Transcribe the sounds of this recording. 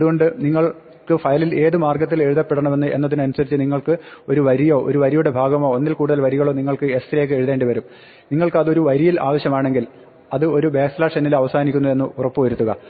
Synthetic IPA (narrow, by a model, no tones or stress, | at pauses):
ɐðuɣo̞ɳɖɨniŋːɐɭ | kɨfɐjɐlile̞ːðɨmaːrɡɐt̪ːile̞ɻuðɐpːe̞ɽɐɳɐme̞nːɨʔe̞nːɐðinɐnusɐɾit͡ɕːɨniŋːɐɭkɨo̞ɾuʋɐɾijo̞ːʔo̰ɾuʋɐɾijuɽe̞bʱaːɡɐmo̞ːonːilkuːɽuðɐlʋɐɾiɣɐɭo̞ːniŋːɐɭkɨest̪rijek̬ːɨeɻuðe̞ːɳɖiʋɐɾum | niŋːɐɭkɨɐðo̞ɾuʋɐɾijila̰ːʋɐɕjɐmaːɳe̞ŋɡil | ɐðɨo̞ɾube̞ːslaːʂenːilɐʋɐsaːnikʲːunːue̞nːɨurɐpːɨʋɐɾut̪ːuɣɐ